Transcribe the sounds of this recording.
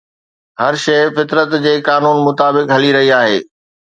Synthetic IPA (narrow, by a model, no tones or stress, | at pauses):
hɐɾʃɐɪfɪt̪ɾət̪d͡ʑeːkaːnuːnmʊt̪aːbɪkɦɐliɾɐɦiaːɦḛː